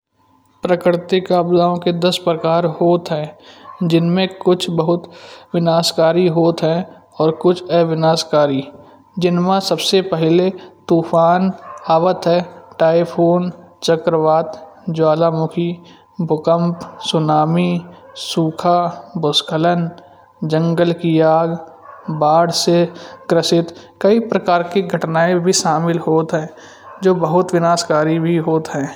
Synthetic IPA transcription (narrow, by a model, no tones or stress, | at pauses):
pɾəkɾɪt̪ikaːbzaːõked̪ɐspɾəkaːɾhoːt̪ɦɛ̃d͡ʒɪnmẽkʊt͡ʃʰbəɦʊt̪ʋɪnaːskaːɾiɦoːt̪ɦɛ̃ | ɔːɾkʊt͡ʃʰɛʋɪnaːskaːɾi | d͡ʒɪnmãsəbsepɛɦlet̪uːfʰaːnaːʋət̪ɦɛ̃ːʈaːɪpʰoːnt͡ʃəkɾəʋaːt̪ | d͡ʒwaːlamʊkʰi | bʱʊkə̃mpsʊnaːmisuːkʰabʊskʰələn | d͡ʒə̃ŋɡəlkiaːɡ | baːɽseɡɾəsɪt̪ | kɐipɾəkaːɾkiɡʱəʈnaːebʱiʃaːmɪlɦoːt̪ɦɛ̃ː | d͡ʒoːbəɦʊt̪ʋɪnaːskaːɾibʱiɦoːt̪ɦɛ̃ː